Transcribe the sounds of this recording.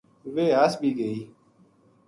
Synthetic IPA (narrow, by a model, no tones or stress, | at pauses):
ʋeːaːsbʱiːɡəiː